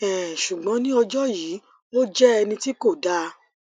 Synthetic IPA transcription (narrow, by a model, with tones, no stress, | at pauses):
ɛ˨ʃu˨ɡ͡bɔ̃˨˦nĩ˦ɔ˧d͡ʒɔ˦jiː˨˦ | o˦d͡ʒɛ˦ɛ˧nĩ˧ti˦ko˦˨da˦